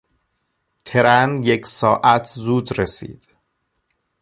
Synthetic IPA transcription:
t̪ʰe̞ɾænjecʰsɒːʔæt̪ʰzuːd̪ɾesḭːd̪̥

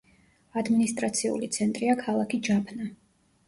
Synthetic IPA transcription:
ad̪minist̪ʼɾat̪sʰiṵlit̪sʰɛnt̪ʼɾiakʰalˠakʰid͡ʒapʰna

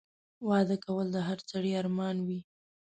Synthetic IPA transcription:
wɑd̪əkawəld̪əɦaɾt͡saɽiɑɾmɑnwi

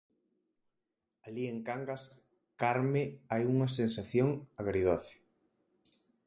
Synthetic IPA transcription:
alieŋkaŋɡas | kaɾmeajuŋɐsensaθjoŋaɣɾiðɔθo̥

